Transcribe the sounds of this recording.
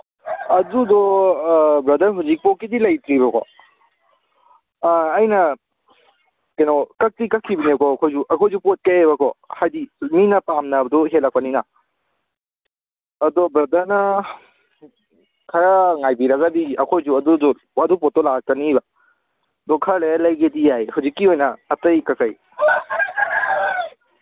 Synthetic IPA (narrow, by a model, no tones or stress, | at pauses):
ɐdudɔ | bɾɐdɐɾɦuzik̚pɔkːidilɐjtɾibɐkʰɔ̰ | jnɐ | kenokɐk̚tikɐkʰːibinkɔɐkʰojzuʔɐkʰojzupot̚keebɐkʰɔhajdiminɐpamnɐbɐdɔɦelɐk̚pɐnina | dobɾɐdanɐ | kʰɐɾaŋajbiɾɐɡadiɐkʰojzuɐdudu | ɐdupot̚tɔlak̚tɐniba | dɔkʰɐɾlealɐjɡedijajhawzikːiojnɐːtɐjkɐkɐj